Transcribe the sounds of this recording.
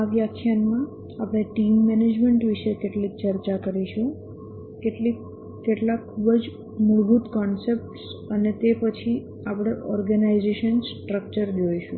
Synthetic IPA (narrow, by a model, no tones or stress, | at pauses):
aʋjakʰjanmã | apɽ̃eʈimːɛned͡ʒmeɳʈʋiʃekeʈlik̚t͡ʃəɾt͡ʃakəɾiʃũ | keʈli | keʈlakʰːubəd͡ʒ | muɾbut̪kɔnsep̚ʈsənet̪epət͡ʃʰi | apɽ̃eʔɔɾɡənaizeʃənsʈɾək̚t͡ʃəɾd͡ʒojʃṵ̃